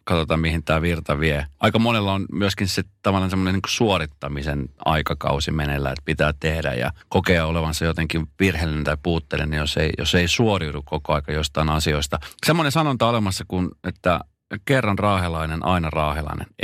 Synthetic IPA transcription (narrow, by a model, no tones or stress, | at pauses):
kɑt̪ot̪ɑmmihint̪æːʋirt̪ɑʋieɑikɑmonelːɑonmyøskinset̪ɑʋɑlːɑnsemːoneniŋko̥suorit̪ːɑmisenɑ̰ikɑkɑ̰usimenelːæ̰ḛt̪pit̪æːtt̪ehdæ̰jɑ̰kokeɑoleʋɑnsɑjot̪eŋkimʋirhelːinent̪ɑippuːt̪ːḛlenijoseijo̰sːeisuoriutukkokoɑikɑjost̪ɑinɑsioist̪ɑsemːonensɑnont̪ɑolemɑsːɑkunet̪ːæ | kerːɑnrɑːhelɑinenʔɑ̰inɑrɑːhelɑ̰inḛn